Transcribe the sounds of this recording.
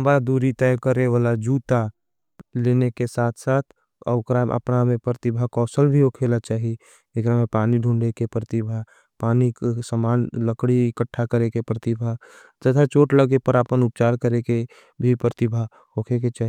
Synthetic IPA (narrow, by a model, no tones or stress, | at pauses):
mbad̪uːɾit̪ɛːjkəɾewaːlad͡ʒuːt̪a | leːnekesaːt̪ʰsaːt̪ʰ | ɔ̰ʊkɾaːmʔə̰pnamẽpɾət̪ɪbʱakɔːsəlbʱiɦoːkʰelat͡ʃaːɦie | ekɾamẽpaːniɖʱũɳɖekepɾət̪ɪbʱa | paːniksəmaːnləkɽiɪkəʈʰːakəɾekepɾət̪ɪbʱa | d͡ʒ̪ət̪ʰat͡ʃoːʈləɡepəɾaːpənʊp̚t͡ʃaːɾkəɾeke | bʱipɾət̪ɪbʱa | ɦoːkʰeket͡ʃaːɦi